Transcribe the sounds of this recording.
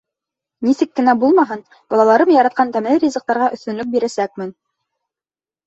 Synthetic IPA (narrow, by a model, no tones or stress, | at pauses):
nisɘkːɘ̆næbulˠmɑɦɤn | b̥ɑlˠɑlˠɑɾɤmjɑɾɑt̪̚qɑnt̪æmælɘɾʲizɤ̆q̚t̪ɑɾʁɑʔɵ̆θt̪ɵ̆nlɵk̚biɾæsæk̚mɘn